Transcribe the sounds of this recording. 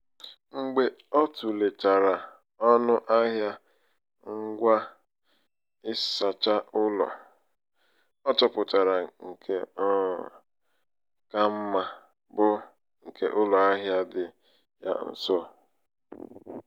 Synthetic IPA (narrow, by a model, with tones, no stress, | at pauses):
ŋ͡m̩˦ɡ͡be˦ | ɔ˦tu˨le˨ta˨ɾa˨ | ɔ˦nʊ˦ʔa˦ɦja˦ | ŋ̩˦ɡʷa˦ | ɪ˦sa˨t͡ʃa˦ʔʊ˦lɔ̰˨ | ɔ˦t͡ʃɔ˨pʊ˨ta˨ɾa˨ŋ̩˨kʰe˦ | ka˦m̩˦ma˨ | bʊ˦ | ŋ̩˨kʰe˦ʔʊ˦lɔ˨a˦ɦja˦dɪ˨ | ja̰˦n̩̰˨so˦˨